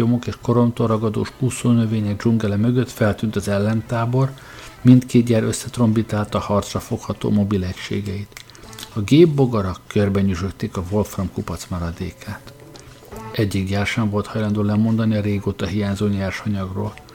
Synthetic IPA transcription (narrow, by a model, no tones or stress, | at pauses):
o̞mo̞keːʃko̞ɾo̞mt̪oɾɒɡɒd̪o̰ːʃkuːsoːnøveːɲɛɡ̚d͡ʒuŋɡɛlɛmøɡøt̪fɛlt̪yːnt̪ɒzɛlːɛnt̪aːbo̞r | mint̪keːd̪ɟaːɾøsːɛt̪ro̞mbit̪aːlt̪ɒhɒrt̪srɒfo̞khɒt̪o̰ːmo̞bilɛcʃḛːɡɛit̪ | ɒɡeːbːo̞ɡɒɾɒkːørbɛɲyʒøt̪ːeːkɒvo̞lfrɒmkupɒt̪smɒɾɒd̪ḛːkʰaːt̪ | ɛɟːiɡjaːrʃɛɱvo̞lt̪hɒjlɒnd̪oːlɛmo̞nd̪ɒniɒɾeːɡoːt̪ɒɦijaːɲzoːɲaːrʃɒɲɒɡro̰ːl